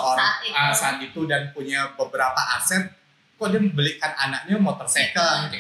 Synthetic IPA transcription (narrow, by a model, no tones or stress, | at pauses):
oɾaasaːt̪̚it̪udanpuɲabəbəɾapaʔasɛt̪̚ | kɔdaməbəlikananak̚ɲamot̪ɔrsɛk̪ə